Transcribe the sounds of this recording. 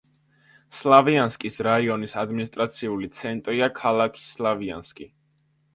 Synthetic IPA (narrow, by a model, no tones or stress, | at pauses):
slˠavianskʼisɾaiɔnisad̪minist̪ʼɾat̪sʰiulit̪sʰɛnt̪ʼɾiakʰalˠakʰi̥slavia̰nskʼi